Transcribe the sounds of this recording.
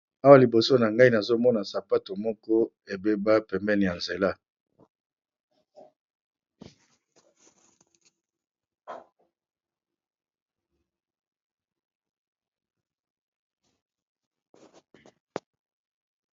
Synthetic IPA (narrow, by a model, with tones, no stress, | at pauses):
a˦wa˦˨li˨bo˨so˦na˨ŋɡa˦i˦na˨zo˦mɔ˦na˨sa˨pa˦to˨mɔ˦kɔ˦ | e˨be˦ba˦pɛ˨mbɛ˦ni˨ja˨nze˨la˦